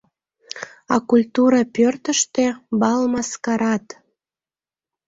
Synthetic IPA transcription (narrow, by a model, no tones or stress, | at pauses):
ɑkulʲt̪uɾɑpørt̪əʃt̪ebɑlmɑskɑɾɑt̪